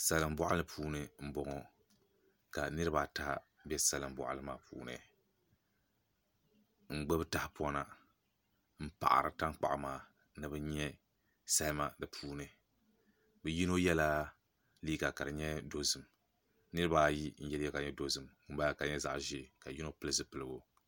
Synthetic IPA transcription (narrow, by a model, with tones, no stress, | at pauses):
sa˨lɨ˨mbɔ˦ʔa˦lɨ˨pʰuː˦nɨ˨m̩˦bɔ˨ŋɔ˨ | ka˨nɨ˦ɾɨ˦baː˨ta˦ | bjɛ˦sa˨lɨ˨mbɔ̰˨ʔa̰˨lɨ˦ma̰ː˨pʰṵː˦nɨ̰˨ | ŋ͡m̩˨ɡ͡bɛ˦bɨ˦ta˦hɪ˦pɔ˦na˦˨ | m̩˦pa̰˨ʔa̰˨ɾɨ˨ta˦ŋk͡pa̰˨ʔa˨maː˨ | nɨ˨bɨ˦ɲɛ˦ | sa˦lma˦dɨ˨pʰuː˦nɨ˨ | bɨ˨ji˦no˦jɛ˦la˦ | liː˦ɡa˨ka˨dɨ˨ɲɛ˦do˦zɨ˨m | nɨ˦ɾɨ˦baː˦˨ji˦n̩˦jɛ˦ljɛ˦ka˨ɲɛ˦do˦zɨ˨m | ʊ˦ba˦˨ka˨ɲɛ˦za̰˦ʔʒɪ˦˨ka˨ji˦no˦pɨ˦lɨ˦zɨ˦pɨ˨lɨ˦bo˦